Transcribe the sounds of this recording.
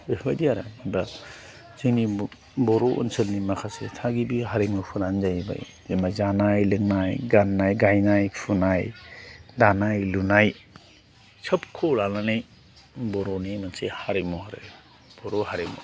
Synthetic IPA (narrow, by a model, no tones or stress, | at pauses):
ehajdiaɾa̰mba | ziŋni | bɔɾoʔṵnsɯlnimakʰasḛtʰaɡibiɦaɾemɯpʰunanzajba̰j | zemazanajlɯŋnajɡanːajɡajnajpʰunajdanajlunaj | t͡ʃʰɐpkʰolalanij | bɔɾonimansehaɾemohaɾḛ | b̥ɔɾohaɾemṵ